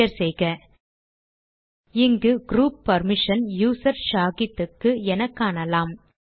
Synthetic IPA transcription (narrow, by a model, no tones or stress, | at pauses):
ɐɾsɛjɣɐ | ɪŋɡɯɡɾuːpːɐɾmɪʂɐnjuːsɐɾʃaːɣɪt̪ːɯkːɯɛnɐkːaːɳɐlaːm